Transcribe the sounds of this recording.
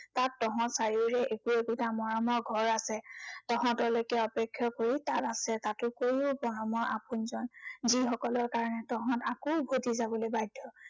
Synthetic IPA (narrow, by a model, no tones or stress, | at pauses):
tatːɔɦɔ̃saɹiuɹɛʔekuekutamɔɹɔmɔɹɡʱɔɹasɛtɔɦɔ̃tɔlojkɛɔpekʰːjɔkoɹitatasɛtatʊkoɹiʊbɔɹɔmɔɹʔapunzɔnzixɔkɔlɔɹkaɹɔnɛtɔɦɔ̃takɔbʱodizabɔlojbajdʱːɔ